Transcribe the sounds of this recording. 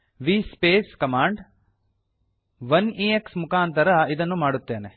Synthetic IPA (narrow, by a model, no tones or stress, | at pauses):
ʋiːspeːskɐmaːɳɖ | ʋɐniːeksmukaːnt̪ɐɾɐid̪ɐnːumaːɽut̪ːeːne